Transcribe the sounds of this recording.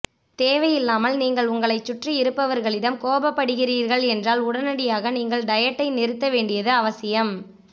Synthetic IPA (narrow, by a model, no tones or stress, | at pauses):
t̪eːʋɐjɪlːaːmɐlniːŋɡɐɭʊŋɡɐɭɐɪt͡ʃːʊʈriɪɾɯpːɐʋɐɾɣɐɭɪɽɐmkoːbɐpːɐɽɯɣɪriːɾɣɐɭɛndraːlʊɽɐnɐɽɪjaːɣɐniːŋɡɐɭɖɐjɐʈːɐɪnɪɾɯt̪ːɐʋeːɳɖɪjɐðɯɐʋɐsɪjɐm